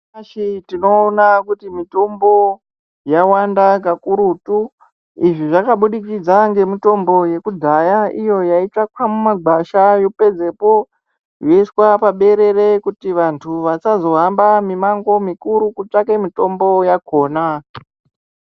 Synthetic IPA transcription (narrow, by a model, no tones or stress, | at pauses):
ʃitino̞ːnakutimito̞mbo̞ | jawandakakuɾutu | iʐiʐakaɓuɗikid͡zaŋɡe̞mito̞mbo̞je̞kud͡zʱajaijo̞jait͡ʂakwamumaɡʱaʃajope̞d͡ze̞po̞ | joiswapaɓe̞ɾe̞re̞kutiʋantʰuʋasazo̞ɦambamimaŋɡo̞mikuɾukut͡ʂake̞mito̞mbo̞jakʰo̞ːna